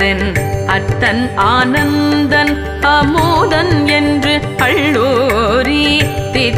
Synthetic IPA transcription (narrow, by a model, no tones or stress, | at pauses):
ɪnɐt̪ːɐnaːnɐnd̪ɐn | hɐmuːðɐnɛndrɯ | ɐɭːoːɾit̪ɪ